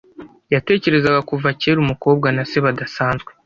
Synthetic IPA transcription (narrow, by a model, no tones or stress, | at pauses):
jate̞ːce̞ɾe̞zaɡakuvace̞ːɾumuko̞ːb̚ɡanase̞βadasaːnzɡwe̞